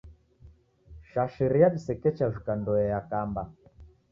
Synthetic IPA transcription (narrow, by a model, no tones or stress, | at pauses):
ʃaʃiɾijaɗisɛkɛt͡ʃavikandɔɛjakamba